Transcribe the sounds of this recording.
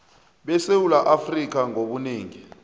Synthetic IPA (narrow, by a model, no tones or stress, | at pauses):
ɓɛsewulaʔafrik̬aŋʱoɓuneːŋi